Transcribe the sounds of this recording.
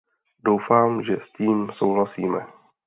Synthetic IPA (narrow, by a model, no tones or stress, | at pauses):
dowfaːmʒɛsciːmsowɦlasiːmɛ